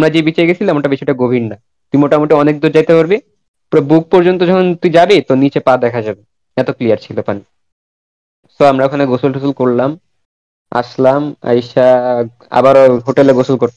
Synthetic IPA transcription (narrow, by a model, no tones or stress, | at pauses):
amɾad͡ʑebit͡ɕaeɡet͡ɕʰilamaɳʈaɾbit͡ɕʰɔeʈaɡobʱinna | t̪uimoʈamoʈiɔnek̚d̪oɾd͡ʑajt̪epaɾbe | pɔɾɔbuk̚pɔɾd͡ʑont̪od͡ʑɔkʰont̪uid͡ʑabet̪onit͡ɕepad̪ɛkʰad͡ʑabe | ɛt̪oklijaɾt͡ɕʰilopani | soamɾaokʰaneɡosolosolkoɾlam | a̰ʃlama̰jʃa | a̰baɾoɦoʈeleɡosolkoɾ